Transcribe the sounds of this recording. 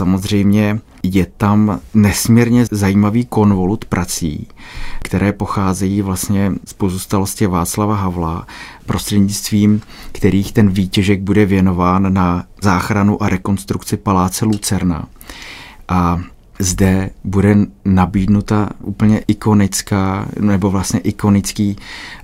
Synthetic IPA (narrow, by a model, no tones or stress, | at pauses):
amo̞zr̝ɛjmɲɛ | jɛt̪amnɛsmɲiɾɲɛzajiːmaviːko̞nvo̞lut̪pɾʔat͡sḭːkt̪ɛɾɛːpo̞xaːzɛjiːvlast̪ɲɛspo̞zuːst̪alo̞scɪvaːt͡slavaɦavla | pɾʔo̞st̪r̥ɛdɲɪt͡st̪viːmkt̪ɛɾiːxt̪ɛnviːcɛʒɛɡ̚budɛvjɛno̞vaːnːazaːxɾanuʔaɾɛko̞nst̪ɾukt͡sɪpalaːt͡sɛlut͡sɛɾna̰ | ʔa | zdɛbudɛnabiːdnut̪aʔuːpl̩ɲɛʔɪko̞nɪt͡skaːnɛbo̞vlast̪ɲɛʔɪko̞nɪt͡skiː